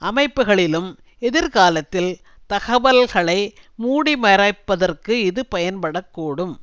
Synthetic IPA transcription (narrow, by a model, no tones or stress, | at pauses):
ɐmɐɪpːɯɣɐɭɪlɯm | ɛðɪɾkaːlɐt̪ːɪl | t̪ɐɣɐʋɐlɣɐɭɐɪmuːɽimɐɾɐɪpːɐðɐrkɯɪðɯpɐjɐnpɐɽɐkːuːɽɯm